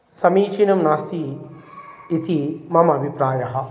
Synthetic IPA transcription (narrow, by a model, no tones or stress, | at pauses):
sɐmiːt͡ʃinɐmnaːst̪ʰiː | t̪ʰimɐmɐbʱipɾaːjɐɦɐ̆